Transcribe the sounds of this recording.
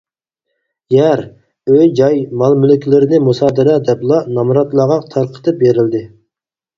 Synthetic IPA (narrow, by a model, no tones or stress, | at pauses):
jɛɾ | øjd͡ʒɑjmɑlˠmylɪkʲʰilɪɾɪnɪmusɑːd̪ɨɾɛd̪ɛplˠɑnɑmuɾɑt̪lˠɑʁɑt̪ʰɑɾqʰə̥t̪ʰɨp̚beɾɪld̪ɪ